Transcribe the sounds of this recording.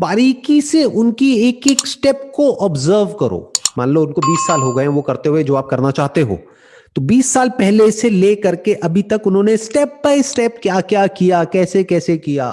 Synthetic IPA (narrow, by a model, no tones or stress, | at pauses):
baːɾiːkiseʔʊnkieːkeːksʈɛːp̚koʔɔːbzəɾʋkɐɾo̰ːmãːnləʊnkobiːsːaːlɦoɡɐẽʋokɐɾt̪eɦued͡ʒɐaːp̚kɐɾnat͡ʃaːɦt̪eɦo̰ː | t̪obiːsːaːlpɛɦleselekɐɾkeʔɐbʱit̪ɐkʊnɦõnesʈɛːp̚baːɪsʈɛːp̚kjaːkjaːkijakɛːsekɛːsekija̰ː